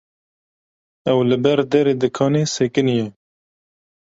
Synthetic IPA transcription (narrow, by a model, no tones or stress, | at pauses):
ɛwlɨbɛɾd̪ɛɾeːd̪ɨkʰɑːneseːkɨnjɛ